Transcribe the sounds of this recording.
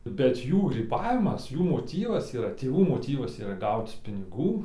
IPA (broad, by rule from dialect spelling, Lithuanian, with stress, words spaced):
bʲɛt ˈjuː ɡrʲiːˈbɑːʋʲɪmɐs ˈjuː moːˈtʲiːʋɐs iːˈrɐ tʲeːˈʋuː moːˈtʲiːʋɐs iːˈrɐ ˈɡɐʊt͡s pʲɪnʲɪˈɡuː